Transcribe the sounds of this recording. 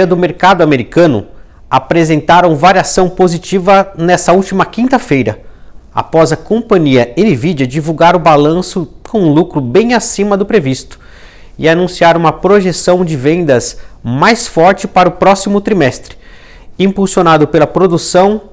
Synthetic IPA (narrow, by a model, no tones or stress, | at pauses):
ɐd̪ʊmeɾkad̪ʊameɾikɐ̃nʊ̰ | apɾezẽnt̪aɾɐ̃w̃vaɾiasɐ̃w̃pozit͡ʃivɐnɛsɐuwt͡ʃimɐkĩnt̪ɐfejɾɐa̰pɔzɐkõpɐ̃ɲiɐenivid͡ʒɐd͡ʒivuwɡaɾʊbalɐ̃sʊkʰõw̃ũlukɾʊbẽj̃asĩmɐd̪ʊpɾevist̪ʊ̥ | ɪanũsiaɾũmɐpɾoʒesɐ̃w̃d͡ʒɪvẽnd̪ɐsmajsfɔɾt͡ʃɪpaɾɐʊpɾɔsimʊt̪ɾimɛst̪ɾɪ̥ | ĩpuwsjonad̪ʊpelɐpɾod̪usɐ̃w̃